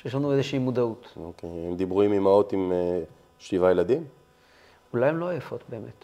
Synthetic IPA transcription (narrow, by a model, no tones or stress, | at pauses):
ʃjeʃlanuezeʃiimod̪aut̪okejhemd̪ibʁuimimaot̪im | ʃlivajelad̪im | ulajemlo̞ajefo̞t̪be̞ːme̞̰t̪